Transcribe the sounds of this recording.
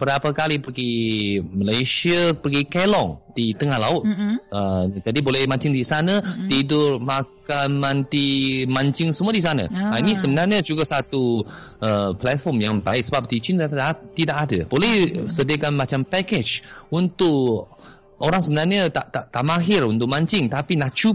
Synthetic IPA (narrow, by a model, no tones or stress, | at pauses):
b̥əɾapakalipəɡiməlajsiəpəɡikelɔŋdit̪əŋahlaʊt̪̚əd͡ʒadibolɛhmãɲt͡ʃɪŋdisanət̪idʊrmakanmant̪imãɲt͡ʃɪŋsəmuədis̬ana̰ainisəbənarɲəd͡ʒuɡasat̪uəplɛt̪̚fɔmjaŋpaɪʔsəbap̚t̪it͡ʃɪnaat̪idaʔadabolɛhsədiəkanmat͡ʃampɛkɛd͡ʒunt̪ʊʔ | oɾaŋsəbənarɲət̪aʔt̪aʔt̪aʔmaɦɪrunt̪ʊʔmãɲt͡ʃɪŋt̪apinat͡ʃu